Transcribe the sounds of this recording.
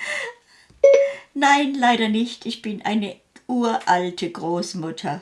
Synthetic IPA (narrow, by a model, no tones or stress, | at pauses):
naɪnlaɪɾɐnɪçtɪçb̥ɪnʔa̰ɪnə | ʔuːɐʔaltʰəɡʁoːsmʊtʰɐ